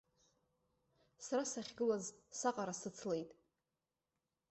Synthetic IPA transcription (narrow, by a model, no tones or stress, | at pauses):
saɾasaχʲɡɨlazsaqʼaɾasɨt͡sʰle̞jtʼ